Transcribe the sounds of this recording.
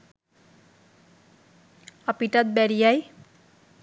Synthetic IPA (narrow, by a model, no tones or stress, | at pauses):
ʌpiʈʌd̪̚bɛɾijaj